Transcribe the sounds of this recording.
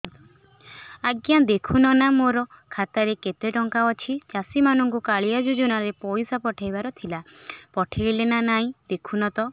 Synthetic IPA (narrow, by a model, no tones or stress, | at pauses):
aɡjad̪ekʰunɔnamoɾɔkʰat̪aɾeket̪eʈɔŋkaɔt͡ʃʰit͡ʃasimanɔŋkukaɭijad͡ʒud͡ʒunaɾepɔjsapɔʈʰajbaɾɔt̪ʰilapɔʈʰejlenanaɦĩd̪̥ekʰunɔt̪ɔ